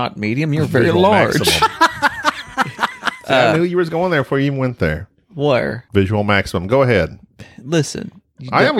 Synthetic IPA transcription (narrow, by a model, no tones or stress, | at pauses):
ə̰t̚miɾiɨ̃mjə˞vɛɹilɑɹ̰ | snɪlˠjəɹʌzɡoʊɪ̃nðə˞bfəɹjivnwɛ̃nðə̰˞ | wɛ̰ɹvɪʒəwl̩ˠmæksəmə̃mɡoʊəɦɛd̥lɪsɨ̰̃n | aɪɨ̃m